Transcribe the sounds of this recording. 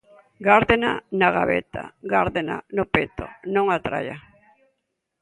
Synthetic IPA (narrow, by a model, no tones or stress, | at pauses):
ɡaɾðena̰naɣa̰βḛt̪ʰa̰ɡaɾðena̰nopet̪o̰nõŋat̪ɾa̰ja